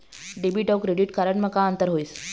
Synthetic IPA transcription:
ɖebiʈawkɾeɖiʈkaɾəɳməkaənt̪əɾɦoiːs

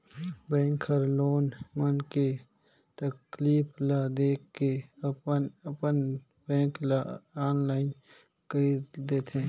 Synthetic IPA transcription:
bɛ̃ːŋkʰəɾloːnmənke | t̪əkliːpʰlad̪eːkːeəpənəpən | bɛ̃ːklaaːnlaːɪn | kəid̪eːt̪ʰẽː

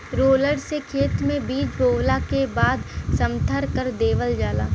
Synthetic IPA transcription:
ɾoːləɖsekʰeːt̪mẽbiːd͡ʒbʱoːwlakebaːd̪sɐ̃mt̪ʰəɾkəɾd̪eːʋəld͡ʒaːla̰ː

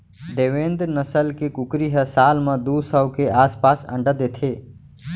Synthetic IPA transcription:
ɖ̪eːʋẽːnd̪nəsəlkekʊkɾiɦəsaːlmãd̪usəwkeʔaːspaːsə̰̃ɳɖəd̪et̪ʰeː

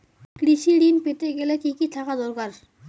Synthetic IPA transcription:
kɾiʃiɽinpeʈeɡɛlekikit̪ʰakad̪ɔɾkaɾ

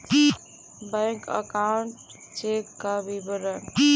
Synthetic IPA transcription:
bãjŋkə̰kawɳʈ | t͡ʃekːabibəɾən

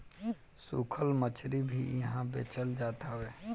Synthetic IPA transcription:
sukʰəlmət͡ʃʰɾibʱijəɦãbḛːt͡ʃəld͡ʒaːt̪aɦʋeː

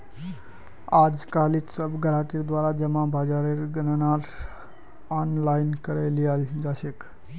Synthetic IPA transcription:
ad͡ʒkalit̪səbɡəɾakiɾd̪waɾad͡ʒəmãbad͡ʒaɾeɾɡənənaɾ | anlainkəɾelijald͡ʒasek

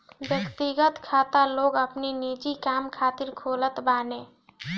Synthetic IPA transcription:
wjəkt̪iɡət̪kʰaːt̪aloːɡəpninid͡ʒikaːmkʰaːt̪ɪɾkʰoːlət̪baːnẽː

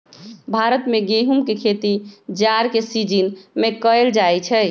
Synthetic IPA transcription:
bʱaɾət̪mẽɡeɦumkekʰet̪id͡ʒaɾkesid͡ʒinmẽkəeld͡ʒajt͡ʃʰɛ

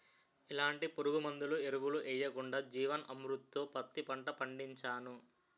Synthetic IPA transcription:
ilaːɳʈipoɾuɡumɐnd̪ulueɾuʋuluʔɛjːɐkuɳɖaːd͡ʒiːʋɐnʔɐmɾut̪ːoːpɐt̪ːipɐɳʈɐpɐɳɖiɲt͡ʃaːnu

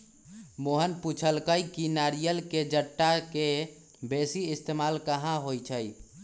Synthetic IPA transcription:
moɦənput͡ʃʰəlkəjkinaɾijəlked͡ʒəʈːake | besiist̪emalkəɦãɦojt͡ʃʰəj

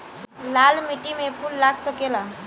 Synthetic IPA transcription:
lalmiʈimepʰunlaɡsəkela

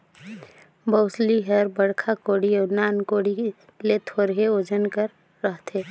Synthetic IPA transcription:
bəʊsliɦəɾbəɽkʰakoːɽiɔːnaːnkoːɽi | let̪ʰoːɾɦeoːd͡ʒənkəɾː | əɦt̪ʰeː

